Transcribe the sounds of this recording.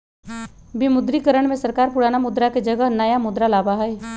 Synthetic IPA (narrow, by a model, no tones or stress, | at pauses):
bɪmʊd̪ɾikəɾəɽ̃mẽsəɾkaːɾpʊɽaːnamʊd̪ɾaked͡ʒəɡəɦnɐjamʊd̪ɾalaːbaɦɛe